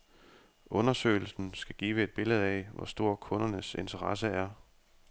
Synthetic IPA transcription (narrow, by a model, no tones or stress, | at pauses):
ʔɔ̽nɐsø̰ːɪl̩sn̩sɡ̥æɡ̥iːʋəe̝d̥̚b̥e̝ləð̞̩ˠɛɪʋɒ̰sd̥o̝ɐ̰kʰɔ̽nɐnəse̝nt͡sʰɐʁɑ̈səæɐ